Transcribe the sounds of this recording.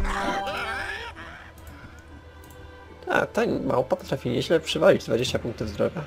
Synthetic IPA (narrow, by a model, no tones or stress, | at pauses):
t̪ʰa̰t̪aɲma̰wpapɔt̪ɾafʲiɲeʑlɛpʂɛvalʲid͡ʑd̪vad͡ʑeɕt͡ɕapuŋkt̪uvzd̪ɾɔ̰ɡja